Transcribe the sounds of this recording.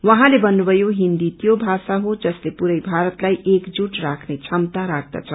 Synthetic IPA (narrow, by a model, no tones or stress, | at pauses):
wʌɦãlebʌnːubʱʌjoɦind̪it̪jobʱasaɦod͡zʌslepuɾʌjbʱaɾʌt̪lajʔekd͡zuʈrakʰnet͡sʰʌmt̪aɾak̚ʰd̪a̰t͡sʰʌ